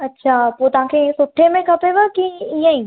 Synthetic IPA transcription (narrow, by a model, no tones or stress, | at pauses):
ɐtːʃʰaːpoːt̪ʊãːkʰesʊʈʰːemẽkʰɐpeʋəkiiːãĩː